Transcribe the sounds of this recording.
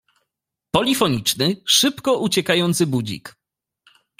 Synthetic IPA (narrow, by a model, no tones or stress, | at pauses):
pɔlʲifɔɲit͡ʂnɘʂɘpkɔʔut͡ɕɛkajɔnt̪sɘbud͡ʑḭk